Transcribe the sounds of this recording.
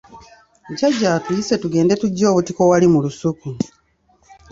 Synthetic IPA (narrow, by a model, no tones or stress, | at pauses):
caɟːaːtujise̞tuɡe̞ːnde̞tuɟːo̞ːβutiko̞walimulusuku